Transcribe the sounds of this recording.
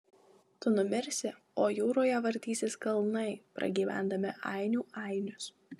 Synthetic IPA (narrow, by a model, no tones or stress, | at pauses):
t̪ʊnʊmʲɪɾʲsʲɪ | oːjuːɾoːjɛʋɐɾʲt̪ʲiːsʲeːskɐlˠnɐɪpɾɐ̰ɡʲiːʋʲæ̰ˑnd̪ɐmʲɪʔɑɪnʲuːɑɪnʲʊs